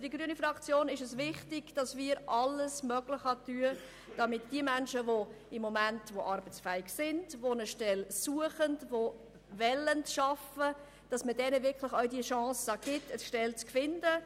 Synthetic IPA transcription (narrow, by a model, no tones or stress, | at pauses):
d̥iɡɾyənifɾɑkt͡sjoːnɪʃəsvɪχtɪɡ̥d̥ɑsmiːɾʔɑlːəsmœɡlɪχɑtyə | d̥ɑmɪtd̥iəmænʃəvo | ɪmːomæntvoʔɑɾbət͡sfɛɪɡsɪnd̥vonəʃtɛlsuəχəndvo | vɛləntʃɑfə | d̥ɑsmədɛnəvɪɾkʰlɪχœɥdiʃɑ̃ːsəɡ̥ɪtʰəsʃtɛlt͡skfɪndə